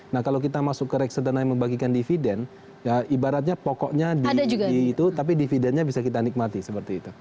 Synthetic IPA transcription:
nahkalawkit̪amasʊkːəɾɛk̚səd̪ənaiməmbaɡikandifidɛn | jaibaɾat̪̚ɲapɔkɔʔɲadiadad͡ʒuɡaiːt̪ut̪ap̬idifidɛnɲabisakit̪anik̚mat̪isəpərt̪iːt̪u

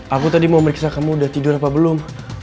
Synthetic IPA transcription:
akut̪adimauməɾiksakamuːdaht̪idʊrapabəlʊm

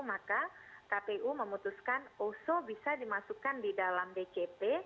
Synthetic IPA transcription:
makakapeʔuməmut̪uskanosobisadimasukandidalamdet͡ʃep̪e

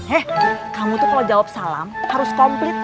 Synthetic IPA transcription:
ɛhkamut̪ukalawd͡ʒawap̚sala̰mhaɾʊskɔmplɪt̪̚

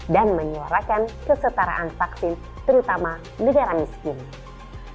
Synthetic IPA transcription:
danməɲuaɾakankəsət̪aɾa̰ʔanfaksɪn | t̪əɾut̪ama | nəɡaɾamiskɪn

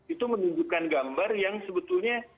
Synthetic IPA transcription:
it̪umənuɲd͡ʒukanɡambarjaŋsəbət̪ulɲa

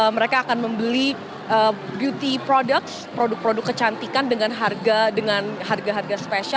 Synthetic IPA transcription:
məɾekaːkanməmbəli | ʔəbjut̪ipɾodək̚spɾodʊk̚pɾodʊkːət͡ʃant̪ikandəŋanɦarɡadəŋanharɡaɦarɡaspesa

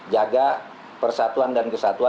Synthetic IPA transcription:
d͡ʒaɡa | pərsat̪uandankəsat̪ua

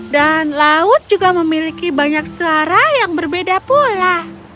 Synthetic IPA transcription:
danlaʊt̪̚d͡ʒuɡaməmilikibaɲak̚suaɾajaŋbərbedapula

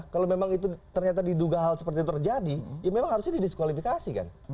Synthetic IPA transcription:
kalomemaŋit̪ut̪ərɲat̪adiduɡaɦalsə̥pərt̪it̪ut̪ərd͡ʒadijamemaŋhaɾʊsɲadidiskwalifikasika̰n

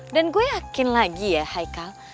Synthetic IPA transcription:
danɡuejakɪnlaɡijahajkal

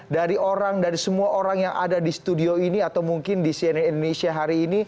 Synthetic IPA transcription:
daɾioɾaŋdaɾisəmuaʔoɾaŋjaŋʔa̰dadist̪udioiniat̪awmuŋkɪndisiɛnindonesiaɦaɾiːni

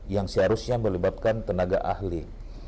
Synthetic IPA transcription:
jaŋsəaɾusɲaməlibat̪̚kant̪ənaɡa̰ʔahli

